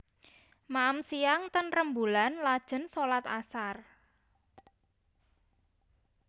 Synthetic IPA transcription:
maəmsijaŋt̪ənrəmbulanlad̥ʒ̥ə̤nsolat̪a̰sar

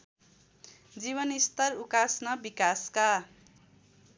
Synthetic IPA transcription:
d͡ziβʌnist̪ʌrukasnʌbikaska

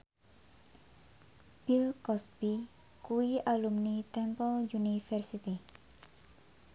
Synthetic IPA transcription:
b̥ilkɔsb̥i | kuialumnit̪ɛmpəljunifɛrsit̪i

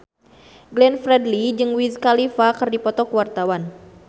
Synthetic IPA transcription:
ɡlɛnfɾɛdlid͡ʒɨŋwizkalifakɨrdipɔt̪ɔkəwart̪awan

